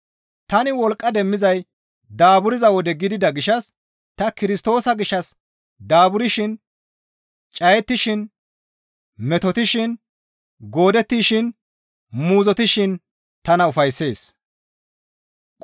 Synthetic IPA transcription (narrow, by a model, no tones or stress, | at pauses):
t̪ɐnɪwɔlkʼːɐd̪ɛmːɪzɐj | d̪aːbʊɾɪzɐwɔd̪ɛɡɪd̪ɪd̪ɐɡɪʃɐs | t̪ɐkɪɾɪst̪o̞ːsɐɡɪʃːɐs | d̪aːbʊɾɪʃɪn | t͡ʃʼɐjɛt̪ːɪʃɪn | mɛt̪ɔt̪ɪʃɪn | ɡo̞ːd̪ɛt̪ːiːʃɪn | muːzɔt̪ɪʃɪn | t̪ɐnɐʊfɐjsːe̞ːs